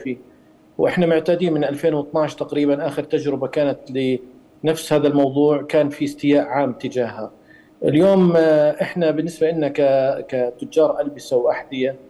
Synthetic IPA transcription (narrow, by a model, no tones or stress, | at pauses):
fi | wʔɪħnamɪʕt̪aːd̪iːnmɪnʔalfeːnwɨt̪ˤnɑʕɪʃt̪aqɾiːbanʔaːxɪɾt̪ad͡ʒɾɪbakaːnat̪lɪ | nafshaːðalmɑwðˤuːʕkaːnfiɪst̪ɪjaːʔʕaːmt̪ɪd͡ʒaːɦa | ʔɪljoːmʔɪħnabɪnːɪsbaʔɪnːakakat̪ʊd͡ʒːɑːɾˤʔalbɪsawʔaħd̪ɪja